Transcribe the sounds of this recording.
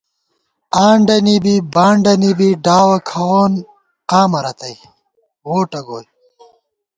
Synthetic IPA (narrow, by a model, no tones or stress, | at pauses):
aːɳɖɐnibibaːɳɖɐnibiɖaːwɐkʰɐwoːn | qaːmɐɾɐt̪ɐj | woːʈɐɡoːj